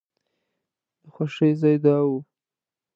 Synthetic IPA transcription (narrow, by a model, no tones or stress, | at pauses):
d̪əxwaʃəjzɑjd̪ɑwu